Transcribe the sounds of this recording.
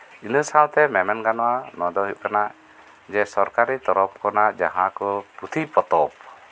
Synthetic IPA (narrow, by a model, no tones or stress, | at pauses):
inəsawt̪ɛmɛmɛnɡanɔwanɔd̪ɔɦiʔkanaʔ | d͡ʒɛsɔɾkaɾit̪ɔɾɔp̚kɔnaʔd͡ʒa̰ɦãkɔput̪ʰipɔt̪ɔp̚